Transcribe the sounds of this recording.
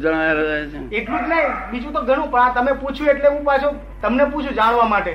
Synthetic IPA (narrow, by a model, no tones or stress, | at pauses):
d͡ʒəɽ̃aaɾəd͡ʒaeeʈlũd͡ʒnəɦĩɓid͡ʒũt̪oɡʱəɽ̃ũpəɳ̃ãt̪əmeput͡ʃʰũeʈleʋũpat͡ʃʰũ | t̪əmneput͡ʃʰũd͡ʒaɽ̃ʋamaʈe